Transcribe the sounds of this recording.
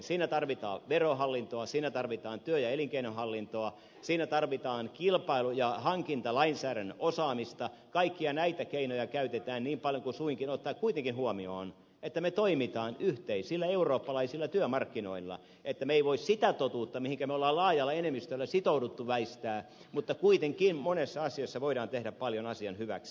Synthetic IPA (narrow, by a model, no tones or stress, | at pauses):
siːnæt̪ɑrʋit̪ɑ̰ːʋerohɑlːint̪oɑsiːnæt̪ɑrʋit̪ɑːnt̪yøjɑeliŋkeinohɑlːint̪oɑ | siːnæt̪ɑrʋit̪ɑːnkilpɑilujɑhɑŋkint̪ɑlɑinsæːɾænosɑːmist̪ɑkɑikːiɑnæit̪ækeinojɑkæyt̪et̪æːnniːmpɑljoŋkusuiŋkinot̪ːɑːkkuit̪eŋkinhuomio̰ːn | et̪ːæmet̪oimit̪ɑːnyht̪eisilːæeuroːpːɑlɑisilːɑt̪yømɑrkːino̰ilːɑ̰ | et̪ːæmeeiʋoissit̪æt̪ot̪uːt̪ːɑmihiŋkæmeolːɑːlɑːjɑlːɑenemːist̪ølːæsit̪oudut̪ːuʋæist̪æː | mut̪ːɑkuit̪eŋkinmonesːɑɑsiosːɑʋoiɾɑːnt̪ehɾæppɑljonɑsiɑnhyʋæ̰ksi̥